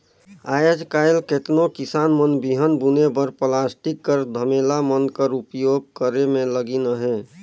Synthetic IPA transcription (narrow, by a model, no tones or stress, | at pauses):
ajəd͡ʒkajlket̪nokisaːnmənbiɦənbunebəɾplasʈikːəɾd̪ʱəmelamənkəɾupjoɡ̚kəɾemẽləɡinəɦẽ